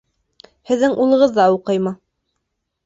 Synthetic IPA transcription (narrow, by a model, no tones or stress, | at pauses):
hɘ̆ðːɘŋʔulˠɤ̆ʁɤ̆ðːɑuqɤjmɤ